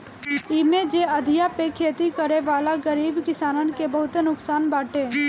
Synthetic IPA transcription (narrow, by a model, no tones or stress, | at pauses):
ɪmed͡ʒeəd̪ʱɪjapekʰeːt̪ikəɾeʋaːlaɡəɾiːbkɪsaːnənkebəɦʊt̪enʊksaːnbaːʈẽː